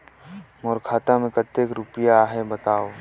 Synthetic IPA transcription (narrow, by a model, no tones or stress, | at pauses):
mɔːɾkʰaːt̪ãmẽkət̪ːekɾʊpjaɦebət̪aːoː